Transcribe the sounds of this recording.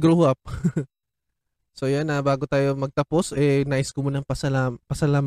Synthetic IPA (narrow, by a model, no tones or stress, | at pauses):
ɡɾohap̚ | so̞janɐbaːɡot̪aːjomɐɡ̚t̪ɐpo̞sɛnaːʔɪskomunɐŋpɐsɐlapɐsɐlaːm